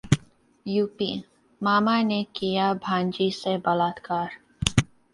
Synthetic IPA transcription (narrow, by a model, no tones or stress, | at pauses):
juːpḭː | maːmanekijabʱãːnd͡ʒisebɐlaːt̪kaːɾ